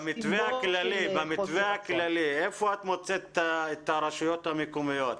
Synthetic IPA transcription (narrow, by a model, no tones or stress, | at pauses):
mit̪veaklalivamit̪veaklaliefoat̪mo̞t͡set̪aet̪aɾaʃujo̞t̪hamekomijo̞t̪